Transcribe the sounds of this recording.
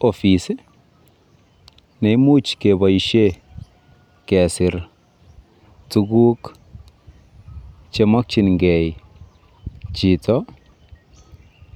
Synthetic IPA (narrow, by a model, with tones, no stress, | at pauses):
ɔ˨fi˨s | nɛ˨i˦mu˦t͡ʃke˨ba˨iʃe˦ | kɛ˨sɪ˨ɾ | tuɡu˦k | t͡ʃe˨ma˦k̚t͡ʃi˨nŋɡɛ˨j | t͡ʃi˨tɔ˦